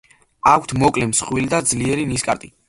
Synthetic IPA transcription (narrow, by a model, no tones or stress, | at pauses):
akʷʰt̪ʰmɔkʼlɛmsχwilid̪ad̪zliɛɾiniskʼa̰ɾt̪ʼi